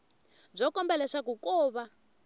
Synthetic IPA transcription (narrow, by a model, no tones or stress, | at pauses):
b͡ʐɔkɔmbɛlɛʂak̬ukɔːβa